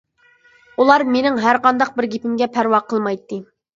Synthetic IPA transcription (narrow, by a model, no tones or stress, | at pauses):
ulˠɑɾmenɪŋɦæɾqɑnd̪ɑq̚bɪɾɡʲepɪmɡʲɛpʰæɾwɑqʰəlˠmɑjt̪ʰːɨ